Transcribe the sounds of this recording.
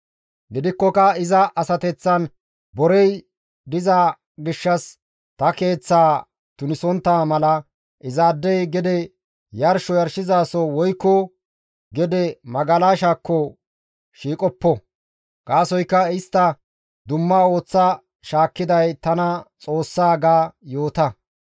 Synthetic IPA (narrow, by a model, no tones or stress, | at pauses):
ɡɪd̪ɪkːɔkɐɪzɐʔɐsɐt̪ɛt͡sːɐn | bɔɾɛj | d̪ɪza | ɡɪʃːɐs | t̪ɐke̞ːt͡sːaː | t̪ʊnɪsɔnt̪ːaːmɐlɐ | ʔɪzaːd̪ːɛjɡɛd̪ɛ | jɐɾʃɔjɐɾʃɪzaːsɔwɔjkːɔ | ɡɛd̪ɛmɐɡɐlaːʃaːkːɔ | ʃiːkʼɔpːɔ | ɡ̥aːsɔjkːɐɪst̪ːɐ | d̪ʊmːaːo̞ːt͡sːɐ | ʃaːkːɪd̪ɐjt̪ɐnɐt͡sʼo̞ːsːaːɡaːjo̞ːt̪ɐ